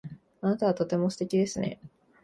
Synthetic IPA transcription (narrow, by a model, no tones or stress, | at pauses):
anat̪aβ̞at̪o̞t̪e̞mo̞sɨ̥t̪e̞kʲid̪e̞sɨne̞̰